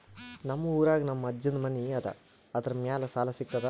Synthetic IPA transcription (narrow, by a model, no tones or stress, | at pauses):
nɐmːɐuːɾaːɡɐnɐmːɐɐd͡ʒːɐnd̪ɐmɐniɐd̪ɐ̰ | ɐd̪ɐɾɐmjaːlɐsaːlɐsikt̪ːɐd̪ɐ